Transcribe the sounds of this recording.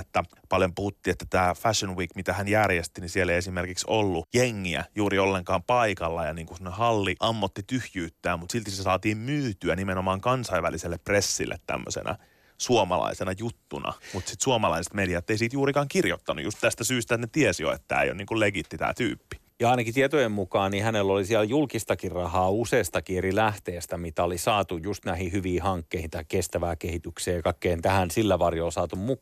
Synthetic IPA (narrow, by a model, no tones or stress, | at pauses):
et̪ːæ | pɑljompuhut̪ːiet̪ːæ̥t̪æːfæʃonwiːkmit̪æhænjærjest̪inisielːeiesimerkiksolːujeŋːiæ̰juːɾiolːeŋkɑːmpɑikɑlːɑjɑniːŋkusimːonehɑlːiʔɑmːot̪ːit̪yhjyːt̪ːæːmmut̪silt̪isesɑːt̪iːmmyːt̪yænimenomɑːŋkɑnsɑiʋæliselːepresːḭlːʔḛt̪tæ̰mːø̰sḛnʔɑ̰ | suomɑ̰lɑ̰isenɑjut̪ːunɑ̰mut̪sit̪suomɑlɑise̥t̪mediɑt̪ːeisiːt̪juːɾikɑːŋkirjot̪ːɑnṵjust̪t̪æst̪æsyːst̪æt̪net̪iɛsjo̰ḛt̪ːæ̰ːḛjo̰niːŋkulleɡit̪ːit̪æ̰ːt̪y̰ːpːi̥ | jɑɑˑinɑkit̪iet̪ojemmukɑːnihænelːolisiæljulkist̪ɑkirrɑhɑːuseːst̪ɑkierilæht̪eːst̪æmit̪æolisɑːt̪ujjust̪næhihyʋiːhɑŋkːeihĩt̪ɑikest̪æʋæːkehit̪ykseːjɑkɑikːeːnt̪æhænsilːæʋɑrjoːlsɑːt̪ummukː